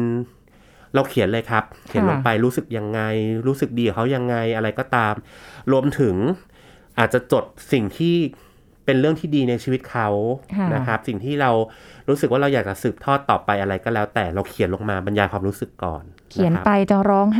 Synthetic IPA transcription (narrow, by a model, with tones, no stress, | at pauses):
ɾa˧wkʰi˨˩˦nlɤː˧jkʰa˦˥p̚kʰi˨˩˦nlo˧ŋpa˧jɾuː˦˥sɯ˨˩k̚ja˧ŋːa˧jɾuː˦˥sɯ˨˩k̚diː˧kkʰa˦˥wja˧ŋːa˧jʔa˧ɾa˧jkɔː˥˩t̪aː˧mɾu˧əmt̪ʰɯ˨˩˦ŋ | ʔaː˨˩t̪̚t͡ɕa˨˩t͡ɕo˨˩t̪̚si˨˩ŋt̪ʰiː˥˩ | pe˧nɾɯ˥˩əŋt̪ʰiː˥˩diː˧na˧jt͡ɕʰiː˧wi˦˥t̪̚kʰa˦˥wʰna˦˥kʰa˦˥p̚si˨˩ŋt̪ʰiː˥˩ɾa˧wɾuː˦˥sɯ˨˩k̚waː˥˩ɾa˧wjaː˨˩k̚t͡ɕa˨˩sɯː˨˩p̚t̪ʰɔː˥˩t̪ːɔː˨˩pːa˧jʔa˧ɾa˧jkɔː˥˩lɛː˦˥wt̪ɛː˨˩ɾa˧wkʰi˨˩˦nlo˧ŋmaː˧ba˧njaː˧kʰwaː˧mɾuː˦˥sɯ˨˩kːɔ̰ː˨˩nkʰi˨˦˩n˦pa˧jt͡ɕɔː˧˩ɾɔː˦˥ŋ˥